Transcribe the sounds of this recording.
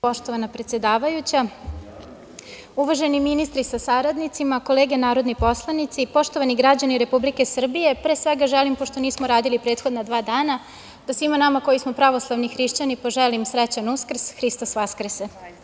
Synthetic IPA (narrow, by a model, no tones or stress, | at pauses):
po̞ʃt̪o̞ʋanapɾe̞t̪sjed̪aːʋajut͡ɕa | uʋaʒe̞niminist̪ɾisasaɾad̪nit̪simako̞leːɡe̞naːɾo̞d̪nipo̞slˠanit̪sipo̞ʃt̪o̞ʋaniɡɾad͡ʑaniɾe̞publike̞sr̩bije̞pɾe̞ːsʋeɡaʒɛelimpoʃt̪o̞niːsmoɾaːd̪ilipɾeːt̪xo̞d̪nad̪ʋaːd̪aːna | d̪̥asʋimanamako̞jismopɾaʋo̞slˠaʋnixɾiʃt͡ɕanipo̞ʒɛlimsɾɛt͡ɕanuskr̩sxɾist̪osʋaskɾ̩se